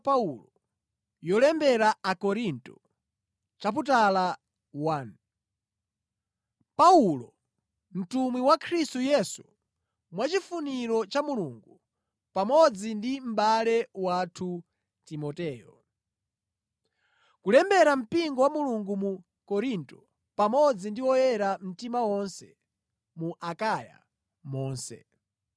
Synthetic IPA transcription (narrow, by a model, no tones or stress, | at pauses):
paulɔ | jɔlɛmbɛɾaakɔɾintu | t͡ʃap̬ut̬ala | wan | paulɔ | m̩tumwiwakʰɾistujɛsu | mwat͡ʃifuniɾɔt͡ʃamuluŋɡu | pamɔd͡zindim̩balɛwatʰu | timɔtɛːjɔ | kulɛmbɛɾam̩piŋɡɔwamuluŋɡumu | kɔɾintɔ | pamɔd͡zindiwɔjɛɾam̩timawɔnsɛ | muʔakaja̰ | mɔːnsɛ̰